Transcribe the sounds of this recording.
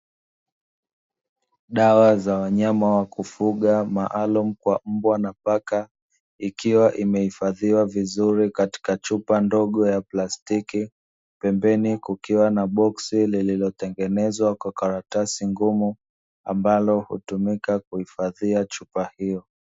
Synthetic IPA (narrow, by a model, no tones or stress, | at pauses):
ɗawazawaɲamawakufuɠamaʔalum̩kwam̩bwanapaka | ikiwaʔimɛhifaðiwavizuɾikati̥kat͡ʃupandɔɠɔjaplastiki | pɛmbɛnikukiwanaɓɔksilililɔtɛŋɡɛnɛzwakwakaɾatasiŋɡumu | a̰mbalɔhṵtumikakuhifaðiat͡ʃupahijɔ